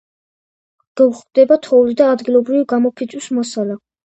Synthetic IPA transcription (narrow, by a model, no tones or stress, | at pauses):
ɡ̥ɛvuχvd̪ɛbat̪ʰɔulid̪aːd̪ɡilˠɔbɾivɡamɔpʰid̪sʰʼwusmɔsala